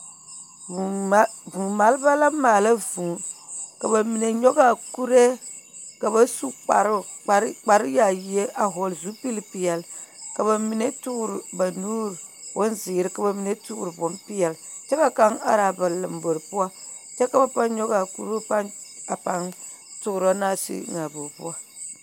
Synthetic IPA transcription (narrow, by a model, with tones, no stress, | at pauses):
u˨˦vu˨ma˨lba˦la˦maː˨la˦vu˨ka˨ba˨mi˨ne˨ɲɔ˦ɡa˨ku˦ɾe˦ | ka˨ba˦su˦k͡pa̰˨ɾa˨ɾk͡pa˨ɾɨ˦ja˨ji˨e˦ʔa˨ɦɔ˨lzu˨˦pi˦lpi˦jɛ˨lka˨ba˨mi˨˦ne˦tu˦˨ɾɨ˨ba˨nu˦ɾwʊ˦nziː˨ɾɨ˦ka˨ba˨mi˨ne˦tṵ˦˨ɾɨ˨bʊ˨˦mpɪ˦jɛ˨lt͡ʃɛ˦ka˦ka˦ŋa̰˨ɾa˨ba˨lɨ˨mbo˨ɾpu˦a˦ | t͡ʃɛ˦ka˦˨ba˨pa˦nɲɔ˦ɡa˨kṵ˦ɾu˦pa˦na˨pa˦n | tʊ˦˨ɾo˦na˦sḭ˦ŋa˨bo˨pʊ̰˦a˦